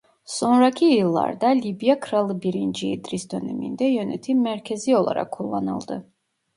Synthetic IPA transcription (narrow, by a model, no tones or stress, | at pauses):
so̞nɾacʰijɯlˠːa̰ɾd̪alʲibjakʰɯɾalˠɯbiɾind͡ʒiːd̪ɾisd̪ø̞nemḭnd̪ɛjø̞nɛt̪ʰimːæɾcʰe̞zio̞lˠa̰ɾʔa̰kʰːulˠːanɯ̰lˠd̪ɯ